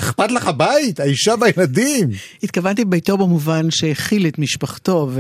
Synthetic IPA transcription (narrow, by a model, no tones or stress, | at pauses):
eχpatlaχabait̪aiʃabajeladimit̪̚kavant̪ibejto̞bemuvanʃeeχilet̪miʃpaχto̞v